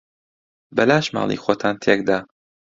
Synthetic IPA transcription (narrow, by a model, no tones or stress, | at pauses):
bɐlaːʃma̰ːlˠḭːxoːt̪ʰaːnt̪ʰekd̪aː